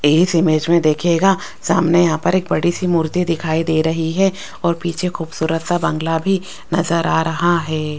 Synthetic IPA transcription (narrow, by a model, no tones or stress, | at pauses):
eːsɪmeːd͡ʒmẽd̪eːkʰeːɡaː | saːmnejɐɦãpɐɾeːk̚bɐɽisimuːɾt̪id̪ɪkʰaːid̪eːɾɐɦiɦɛː | ɔːɾpiːt͡ʃʰexuːbsuːɾət̪sabɐ̃ŋɡlabʱi | nɐzəɾaːɾɐɦaɦɛː